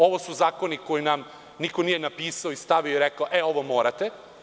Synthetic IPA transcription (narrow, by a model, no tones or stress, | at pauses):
o̞ʋosuzaːko̞niko̞jinam | nikonijenapiːsaoist̪aʋioiɾekaoʔeo̞ʋomoːɾat̪e